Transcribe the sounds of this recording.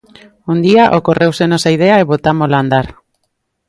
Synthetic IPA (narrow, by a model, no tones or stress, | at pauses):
ond̪iaʔoko̞re̞wse̞no̞sajðe̞aeβo̞t̪amoland̪aɾ